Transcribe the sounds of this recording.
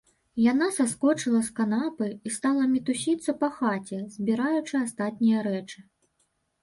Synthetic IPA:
janasaskɔt͡ʂɨlˠɐskanapɨist̪alˠɐmʲit̪usʲit̪sːɐpɐxat͡sʲɛzʲbʲiɾajut͡ʂɨast̪at̪̚ʲnʲijɐɾɛt͡ʂɨ

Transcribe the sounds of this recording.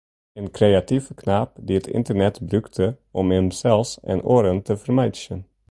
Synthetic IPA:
eːnkʰɾeat̪ifkʰnaːp̚d̪ɪt̪ʰɪ̰nt̪əɾnɛt̪bɾʉkt̪ʰəʔɔmɛmsɛlsɛ̰noːɾənt̪ʰəfəɾmajd̪ʃən

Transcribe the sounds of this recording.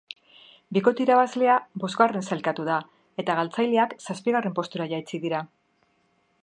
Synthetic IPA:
biko̞t̪iɾaβazle̞abo̞zɣɡare̞nsalkat̪uða | e̞t̪aɣalt͡sajleaksaspiɣare̞mpo̞st̪uɾaʝajt͡siðiɾa

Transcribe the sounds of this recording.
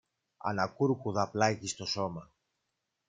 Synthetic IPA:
ɐ̰nɐkuɾkuðɐplɐʝist̪o̞so̞mɐ

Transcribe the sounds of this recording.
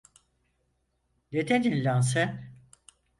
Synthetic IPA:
d̪et̪ʰed̪inlʲans̬ɛ

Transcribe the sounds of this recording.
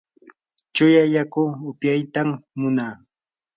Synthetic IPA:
t͡ʃʊjajakʊʊpjajt̪amːʊnaː

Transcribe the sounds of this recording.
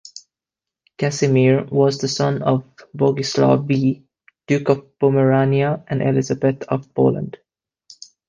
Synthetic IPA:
kæsimiɹwɔzðəsʌ̃nɔvbɔɡɪsla̰bi | d̥ʉːkɔvb̥ɔməɹaniəʔæ̃nʔɛ̰lɪzəbɛt̪ɔvpo̰lə̰̃nd̥

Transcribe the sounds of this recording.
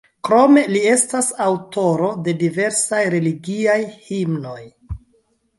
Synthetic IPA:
kɾo̞me̞lie̞stasawto̞ɾo̞de̞dive̞ɾsajɾe̞liɡiajhimno̞j

